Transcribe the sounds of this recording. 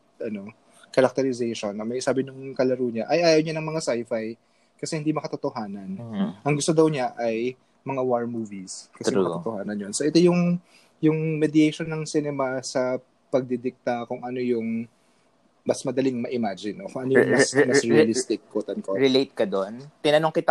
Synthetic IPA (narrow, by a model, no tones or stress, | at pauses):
ʔɐno̞ | kɐɾɐk̚t̪ɛɾɪzɛjʃonɐmɐjsaːbɪnʊŋkɐlɐɾuɲaʔɐjʔaːjɐwɲanɐŋmɐŋasajfaj | kɐsɛhɪnd̪imɐkɐt̪ot̪oɦaːnɐnʔɐŋɡʊst̪od̪ɐwɲaʔɐj | mɐŋawaɹmuːviskɐsɛmɐt̪ot̪ohaːnɐnjonsoʔɛt̪o̞jʊŋ | jʊŋmɛd̪ɪjejʃo̞nːɐŋsinɛmasɐ | pɐɡ̚d̪ɪd̪ɪk̚t̪ɐkʊŋʔɐno̞jʊŋ | bɐsmɐd̪ɐlɪŋŋmɐʔɪmad͡ʒɪnːokoŋʔɐnojʊŋmɐsmɐɹilist̪ɪkːot̪ɐnkoɾɪlejt̪̚kɐd̪ont̪ɪnɐnoŋkɪt̪a